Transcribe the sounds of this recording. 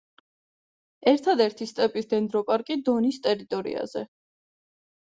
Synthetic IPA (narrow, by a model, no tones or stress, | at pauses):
ɛɾt̪ʰad̪ɛɾt̪ʰist̪ʼɛpʼisd̪ɛnd̪ɾɔpʼaɾkʼid̪ɔnist̪ʼɛɾit̪ʼɔɾḭa̰z̥ɛ̰